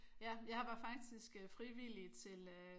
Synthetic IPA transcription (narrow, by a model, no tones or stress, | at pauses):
jæjɑ̈hɑ̈ʋɑ̈fɑ̈ɡ̥̚d̥isɡ̥əfʁiʋilit͡sʰe̝lø